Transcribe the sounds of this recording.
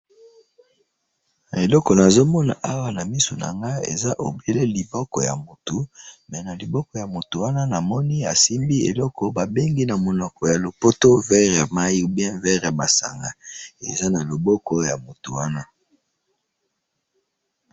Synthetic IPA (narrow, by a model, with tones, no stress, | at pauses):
na˨e˨lɔ˦kɔ˨na˨zo˦mɔ˦na̰˨ʔa˦wa˦na˨mi˦so˨na̰˨ŋɡa˦ḛ˨za˦ʔo̰˨be˦le˦li˨bɔ˦kɔ˨ja̰˨mo˨tu˨mɛ˨na˨li˨bɔ˦kɔ˨ja˨mo˨tu˨wa˦na˦na˨mɔ˦ni˦a˨si˦mbi˦ḛ˨lɔ˦kɔ˨ba˨be˦ŋɡi˦na˨mo˨nɔ˨kɔ˨ja˨lo˨po˦to˦vɛ˦ʁja˨ma˦ji˦bjɛ̃˦vɛ˦ʁja˨ba˨sa̰˨ŋɡa˨ḛ˨za˦na˨lo˨bɔ˦kɔ˦ja˨mo˨tu˨wa˦na˦